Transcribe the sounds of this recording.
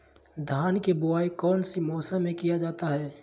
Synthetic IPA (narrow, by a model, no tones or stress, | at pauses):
d̪ʱaːnkebʊaːikɔːnsimɔːsamːẽkijad͡ʒaːt̪aɦɛː